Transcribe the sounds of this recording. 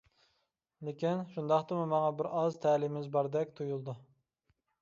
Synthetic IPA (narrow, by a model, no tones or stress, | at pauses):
lɪkʲinʃund̪ɑχt̪ɨmumɑŋɑbɪɾɑzt̪ʰæːlimɪzbɑɾd̪ɛkʲt̪ʰujulˠd̪u